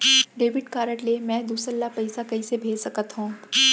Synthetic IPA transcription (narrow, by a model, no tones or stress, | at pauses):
ɖeːʋɪʈkaːɾəʈlemɛ̃ːd̪uːsɾəlːapɐɪsakɐisebʱeːd͡ʒsɐkət̪ɦũː